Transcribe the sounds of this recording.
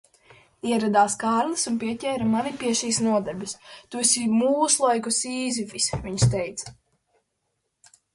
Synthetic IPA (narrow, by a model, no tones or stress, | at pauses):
iɛɾad̪aːskaːɾlˠɨsunpiɛcʲɛːɾamanipiɛʃiːsnuɔd̪ɛɾbist̪usimuːslˠɔjkusiːzifisʲviɲst̪ɛjt̪s